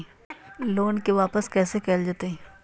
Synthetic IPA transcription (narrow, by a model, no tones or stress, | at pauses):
loːnkeʋaːpəskɛːsekɛːld͡ʒaːt̪eɦɛ̃ː